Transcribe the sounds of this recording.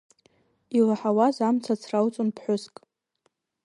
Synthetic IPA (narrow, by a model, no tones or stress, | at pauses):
ilaħawazamt͡sʰat͡sʰrawt͡sʼonpʰħʷʊskʼ